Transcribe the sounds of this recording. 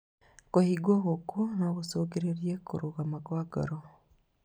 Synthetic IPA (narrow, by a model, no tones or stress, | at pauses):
kohiɡwoɣokonaɣusoɡeɾeɾjekṵɾuɣamaɡwaɡa̰ɾo